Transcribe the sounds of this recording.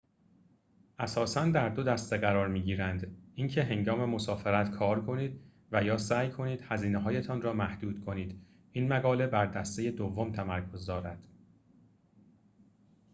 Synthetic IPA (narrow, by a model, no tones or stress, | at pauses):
ʔæsɒːsænd̪æɾd̪o̞d̪æst̪eɣæɾɒːɾmiːɟiːɾænd̪incʰe̞ɦe̞ŋɡɒːme̞mo̞sɒːfeɾæt̪kʰɒːɾkʰo̞niːd̪ | væjɒːsæːjkʰo̞niːd̪̥hæziːneɦɒːje̞t̪ʰɒːnrɒːmæhd̪̥uːd̪̥kʰo̞niːd̪̥ | ʔinmæɡɒːle̞bæɾd̪æst̪e̞je̞d̪ovːo̞mt̪ʰæmæɾkʰo̞zd̪ɒːɾæd̪̥